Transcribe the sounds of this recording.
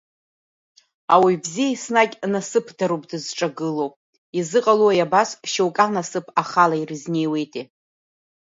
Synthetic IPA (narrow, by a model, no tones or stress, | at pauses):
awibzijaisnakʲʼnasɨpʰdaɾupʼdɨzʈ͡ʂʼaɡɨlow | izɨqʼaluajabasʃewkʼanasɨpʰaχalairɨzne̞jwe̞jtʼe